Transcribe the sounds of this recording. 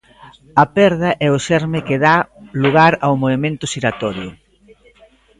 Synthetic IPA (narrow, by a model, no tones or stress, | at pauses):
ɐpɛɾð̞ɐʔɛʊʃɛɾmɪkɪðaluɣ̞aɾawmoβemẽnt̪ʊsiɾat̪ɔɾjʊ̰